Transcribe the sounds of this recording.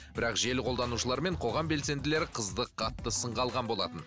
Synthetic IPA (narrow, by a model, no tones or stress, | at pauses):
bbɪɾɑqʒe̞lqʰo̞lˠd̪ɑnuʃəlˠɑɾme̞ɴqʰo̞ʁɑmbe̞lse̞nd̪ɪle̞ɾɪqʰəzd̪əqʰːɑt̪ːəsəɴʁɑlˠʁɑnbo̞lˠɑ̰t̪ən